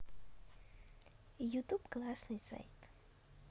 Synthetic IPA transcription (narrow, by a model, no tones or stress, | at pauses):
jut̪upklˠasnɨjsa̰jt̪